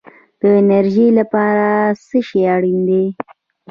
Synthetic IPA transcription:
d̪̥əɪnaɾʒilapɑɾasəʃeaɽind̪e

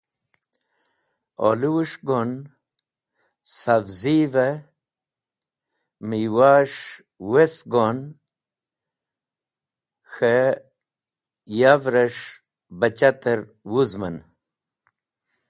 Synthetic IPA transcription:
o̰luwuʂɡon | savzive | miwaːʂ | wesɡon | xe | javɾɐʂ | bɐt͡ɕat̪əɾ | wuzmɐn

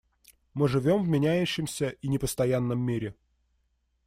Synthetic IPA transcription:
mɨʐɨvʲo̞mvmʲɪnʲæjʉɕːɪmsʲəʔinʲɪpəst̪ɐjanːəmːʲiɾʲɪ

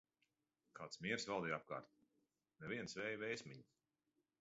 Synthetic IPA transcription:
kʰaːt̪smʲiɛɾsvalˠd̪iːap̚ka̰ːɾt̪ | nɛvʲiɛnsvɛːjvɛjsmʲiɲi

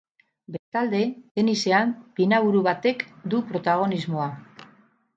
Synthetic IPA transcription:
be̞st̪ald̪e̞d̪e̞nise̞ampinaβuɾuβat̪e̞kd̪upɾo̞t̪aɣ̞o̞nizmo̞a

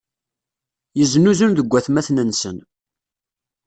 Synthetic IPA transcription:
jəznuzunðəɡʷːæθmæθnənsən

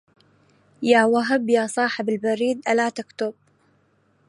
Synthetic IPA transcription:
jaːwaɦabjaːsˤɑːħɪbɪlbaɾiːd̪ʔalat̪akt̪ʊb̥̚

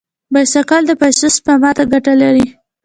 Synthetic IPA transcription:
bajsakɑld̪əpasʊspamɑt̪aɡaʈalaɾi

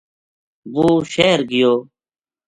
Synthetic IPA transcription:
ʋoːʃeːɾɡɪjoː

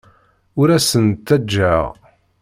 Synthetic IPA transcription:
ʊɾæsənt̪ːæd͡ʒːæʁ

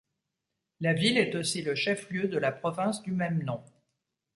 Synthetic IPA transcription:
lavilɛt̪osiləʃɛfljød̪əlapχɔvɛ̃sd̪ymɛmnɔ̃

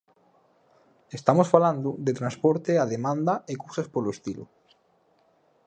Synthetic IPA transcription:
est̪amosfaland̪ʊd̪et̪ɾanspoɾt̪eaðemãnd̪aekuwsaspoloest̪ilʊ̰

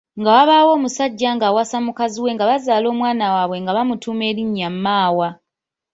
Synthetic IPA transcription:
ŋɡawaβaːwo̞ːmusaɟːaŋɡaːwasamukaziwe̞ŋɡaβazaːlo̞ːmwaːnawaβwe̞ŋɡaβamutuːme̞ːɾiɲːamːaːwa

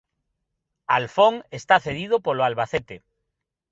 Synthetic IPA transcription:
alfoŋest̪aθeðið̞opoloalβaθet̪e

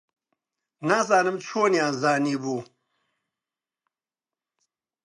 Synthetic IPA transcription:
naːs̬aːnɐmt͡ɕʰoːnjãːzaːnibu

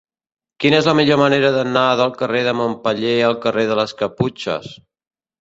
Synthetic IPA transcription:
kinɛzləmiʎoməneɾəðənaəðəlˠkəreðəmompəʎeəlˠkəreðələskəput͡ʃə̰s

